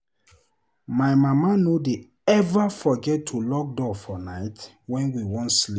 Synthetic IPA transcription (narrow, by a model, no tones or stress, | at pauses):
maɪmamanode | ɛvafɔɡɛtʰːulɔk̚dɔfɔnaɪt | wɛ̃nwiwɔ̃ntslip